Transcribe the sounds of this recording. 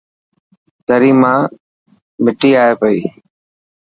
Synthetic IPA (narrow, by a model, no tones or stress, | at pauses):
t̪əɾiːmãː | mɪʈiːaːeːpəiː